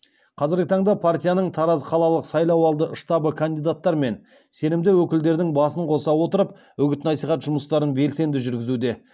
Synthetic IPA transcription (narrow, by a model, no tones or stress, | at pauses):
qʰɑzɪɾɡʲɪt̪ʰɑɴd̪ɑpʰart̪ʲijanəɴt̪ʰɑɾɑzqʰɑlˠɑlˠəqsɑjlˠɑwɑlˠd̪əəʃt̪ɑbəkʰand̪ijd̪at̪ːɑɾme̞n | se̞nɪmd̪ɪwɵkʲɪld̪e̞ɾd̪ɪŋbɑsəɴqʰo̞sɑwo̞t̪əɾəp | wɵɡʲɪt̪nɑsijχɑt̪ʒʊməst̪ɑɾənbe̞lse̞nd̪ɪʒʏɾɡʲɪzud̪e̞